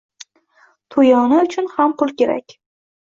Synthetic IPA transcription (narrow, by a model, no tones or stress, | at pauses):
t̪ʰojɒnaʊt͡ʃʰʊnhamqʰʊlˠkʲe̞ɾa̰kʲ